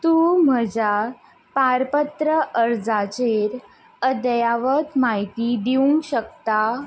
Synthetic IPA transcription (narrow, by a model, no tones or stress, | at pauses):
t̪um̤əd͡ʑa | paɾpət̪ɾəʔəɾd͡zat͡ɕeɾ | əd̪əjaʋət̪maɦit̪id̪iuŋɡɕək̚t̪a